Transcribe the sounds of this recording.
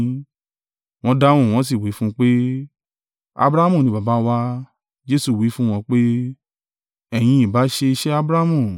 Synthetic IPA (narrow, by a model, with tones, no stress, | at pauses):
w̃ɔ̃˧da˦w̃ɔ̃˦˨w̃ɔ̃˧˦s̬i˦˨wi˨˦fũ˦k͡pe˦ | a̰˧bɾa˦mũ˦˨nĩ˧ba˨ba˨˦wa˧˦ | d͡ʒe˦su˨wi˨˦fũ˦w̃ɔ̃˧k͡pe˦ | ɛ˨j̃ĩ˧˦ĩ˨ba˨˦ʃe˧ʃe˦a˧bɾa˦mũ˦˨